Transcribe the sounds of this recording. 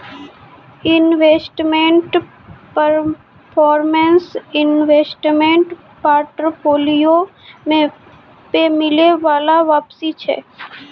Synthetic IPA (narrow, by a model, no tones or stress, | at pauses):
ɪnʋeːsʈmẽɳʈ | pəɾ | pʰɔːɾmẽnsɪnʋeːsʈmẽɳʈ | paːɾʈɾpoːlijo | m | pemɪleʋaːlaʋaːpsit͡ʃʰɛ̰ː